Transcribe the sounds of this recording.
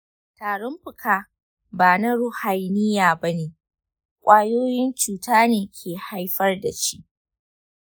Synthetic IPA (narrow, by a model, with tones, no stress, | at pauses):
taː˨ɽɔ˦mɸɪ˨kaː˨ | baː˨na˦ɽʊ˦ha˨jnɪ˦jaː˨ba˦neː˨ | kʷʼaː˦joː˦jɪ˦nt͡ʃuː˨taː˦neː˨kʲʰeː˨ha˦jɸɐ˦rda˨t͡ʃi˦ʔ